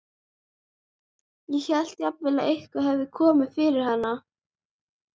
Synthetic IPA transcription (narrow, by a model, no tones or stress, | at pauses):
jɛçɛl̥t̪japvɪlaðejhkvaɦɛvðɪkʰɔːmɪðfɪɾɪɾ̥hanːa